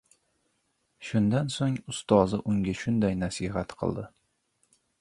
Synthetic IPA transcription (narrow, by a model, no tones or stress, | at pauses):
ʃʊnd̪ansoŋʊst̪ɒzɪʔʊŋɡʲaʃʊnd̪ajnasihat̪qʰɨ̰lˠd̪ɪ